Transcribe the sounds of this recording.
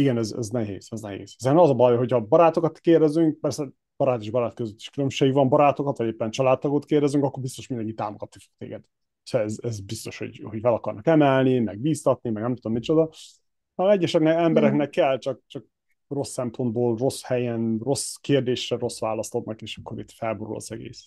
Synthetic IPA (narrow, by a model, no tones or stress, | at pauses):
iɡɛnɛzɛ̰znɛɦḛːz̥ɛznɛɦḛːz̥ɒzeːɾnɛmɒzɒbɒjɦo̞chɒbɒɾaːt̪o̞kɒt̪keːrd̪ɛzyŋk̚pɛrsɛ | b̥ɒɾaːt̪eːʒbɒɾaːt̪køzøt̪ːi̥ʃkylømʃeːɡʋɒmbɒɾaːt̪o̞kɒt̪ʋɒɟeːpːɛnt͡ʃɒlaːt̪̚t̪ːɒɡot̪keːrd̪ɛzyŋkɒkːo̞rbist̪o̞ʃmindɛŋkit̪ːaːmoɡɒt̪ːikkt̪ḛːɡɛd̪̥ | sɛɛzɛzbist̪o̞ʃho̰ɟho̞ɟvɛlɒkɒrnɒkɛmɛlnimɛɡ̚biːst̪ɒt̪nimɛɡnɛmt̪ud̪omːit͡ʃo̞d̪ɒ | ɒɛɟːɛʃɛknɛɛmbɛɾɛknɛkːɛlt͡ʃɒk̚t͡ʃɒk̚ | ro̞sːɛmpʰo̞nd̪̚boːlro̞shɛjɛnro̞skeːrd̪eːʃrɛro̞sʋaːlɒst̪o̞d̪nɒkeːʃɒ̥kːo̞ɾit̪fɛlboɾṵlɒ̰zɛɡḛːs